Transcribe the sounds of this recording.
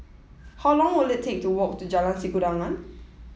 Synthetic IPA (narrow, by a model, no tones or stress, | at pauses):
hawlɔ̃ŋwilɛtʰẽk̚tuwɔk̚tud͡ʒalãnsikudãŋãn